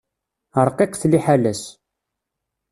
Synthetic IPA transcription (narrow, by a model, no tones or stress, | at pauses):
əɾˤqɪqθliħalæs